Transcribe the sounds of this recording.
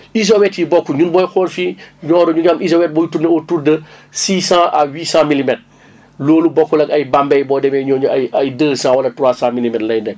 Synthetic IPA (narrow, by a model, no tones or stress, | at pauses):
iz̬owɛtjibɔkːuɲunbɔjxɔlfiɲɔːɾɔɲuɡamʔizowɛt̚bɔjutuneɔtuɾdəsiːsãːʔawiːsãmilimɛt | loːlubɔkːulɐkɐjbambɛjbɔdɛmɛɲɔɲuɐjɐjdəːsãːwɐlɐtɾwaːsãːmilimɛtlɐjndɛ